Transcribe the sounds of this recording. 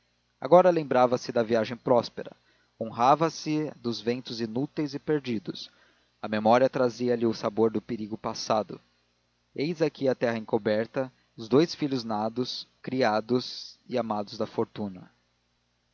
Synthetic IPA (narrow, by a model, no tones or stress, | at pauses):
a̰ɡɔɾɐlẽmbɾavɐsɪd̪ɐviaʒẽj̃pɾɔspeɾɐ̰ | õɦavɐsɪd̪ʊzvẽnt̪ʊzinut̪ejzɪpeɾd͡ʒid̪ʊs | ɐmemɔɾiɐt̪ɾaziɐlɪʊsaboɾd̪ʊpeɾiɡʊpasad̪ʊ | ejzakiɐt̪ɛhɐẽŋkobɛɾt̪ɐ | ʊzd̪ojsfiʎʊznad̪ʊskɾiad̪ʊzɪamad̪ʊzd̪ɐfoɾt̪ũnɐ